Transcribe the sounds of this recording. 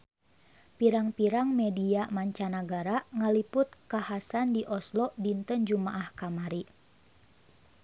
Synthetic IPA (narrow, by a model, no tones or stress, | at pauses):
piɾaŋpiɾaŋmɛdiamaɲt͡ʃanaɡaɾaŋalipʊt̪̚kahasandiʔɔslɔʔdint̪ənd͡ʒumaʔahkamaɾi